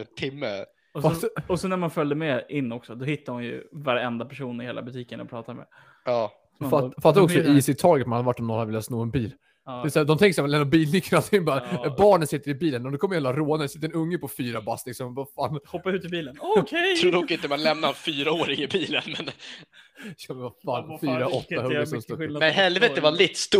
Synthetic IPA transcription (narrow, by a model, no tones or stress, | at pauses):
t̪ʰɪmːə̰ | ɔsfaɔsɔnæɾmanfœld̪əmɛɪnːɔksɔd̪ɔhɪt̪ːaɾhʊnjɵ̰vaɾɛnd̪apʰæʂuːnɪheːlʔa̰bɵt̪ʰiːkənɔ̰pʰɾɑ̰ːt̪ad̪mɛ̰ | ɑː | fafat̪ːad̪ɔksɔiːsɪt̪ʰɑːɡət̪manad̪əvaʈːɔmɔnhad̪vɪlat̪snoːɛnbiːl | ɛɛsæːd̪ɔmt̪ʰɛŋkəsɛmɛnd̪ɔbiːlnɪkːənat̪ʰɪŋbɑːɾabɑːɳənsɪt̪ːəɾɪbiːlənmnd̪ɛkʰɔməjhɛlaɾoːnənsɪt̪ːəɾɛnɵŋːəpʰɔfyːɾabaslɪksɔmvafaːnhɔpːaʉ̟ːt̪ɪbiːlənʰj̪ʰɾuːd̪ɔkːɪnt̪əmanlɛmnaɾfyːɾaoːɾɪŋɪbiːlənmɛn | jɑmɛvafaːnfyːɾaɔt̪ːahɵɡɾsɔmst̪ɔɛhɛlvɛt̪əvalɛt̪ːst̪